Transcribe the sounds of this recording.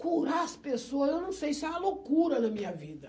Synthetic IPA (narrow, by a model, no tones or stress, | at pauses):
kuɾaɐspesoɐzewnɐ̃w̃sejsɪɛɐlokuɾɐnɐmĩɲɐvid̪ɐ